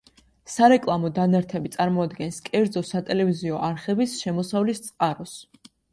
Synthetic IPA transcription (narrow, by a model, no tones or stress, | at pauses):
saɾɛkʼlˠamɔd̪anaɾt̪ʰɛbit̪sʼaɾmɔad̪ɡɛnskʼɛɾd̪zɔsat̪ʼɛlɛviziɔʔaɾχɛbisʃɛmɔsavlist̪sʼqʼaɾɔs